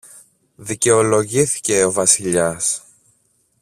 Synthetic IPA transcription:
ðice̞o̞lo̞ʝiθi̥ce̞o̞vɐsiʎɐs

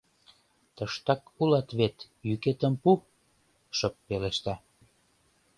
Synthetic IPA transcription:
t̪əʃt̪ɑkulɑt̪βet̪ | jyket̪əmpu | ʃəpːeleʃt̪æ

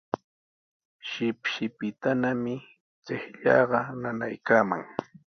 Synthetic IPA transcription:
ʃɪpʃɪpɪt̪anamɪ | t͡sehʎɑ̰ːɢɑnanajkaːma̰ŋ

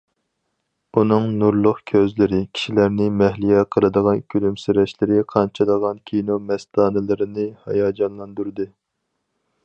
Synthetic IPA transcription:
unɨŋnuɾlˠʊχkʲʰøzlɪɾɪkʲʰi̥ʃilæɾnɪmɛhlijɛqʰəlˠɨd̪əʁɑnkʲʰylymsyɾɛʃlɪɾɪqʰɑnt͡ʃʰɑd̪əʁɑnkʲʰinomɛst̪ɑːnɨlˠɨɾɨnɨhɑ̰jɑːd͡ʒɑnlˠɑnd̪uɾd̪ɨ

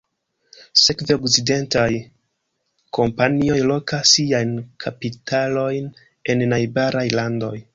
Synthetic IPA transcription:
se̞kveokside̞ntaj | kʰo̞mpanio̞jlo̞kasiajnkʰapitʰalo̞jn | e̞nːajbaɾʔajlando̞j

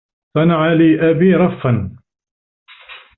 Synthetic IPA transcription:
sˤɑnaʕaliːʔabiːɾˤɑfːan

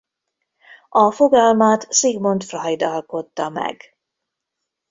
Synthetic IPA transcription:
ʔɒfoɡɒlmaːt̪siɡmo̞nt̪frɒjd̪ɒlko̞t̪ːɒmɛ̰ɡ̥

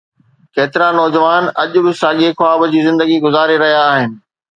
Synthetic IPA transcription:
keːt̪ɪɾanɔːd͡ʑəʋaːnɐʄʊbɪsaːɠekʊaːbd͡ʑiːzɪ̃nd̪əɡiɡʊzaːɾeɾɐɦijaːɦɪnɪ̆

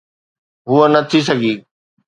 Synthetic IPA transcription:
ɦuənɐt̪ʰis̬ɐɡʱiː

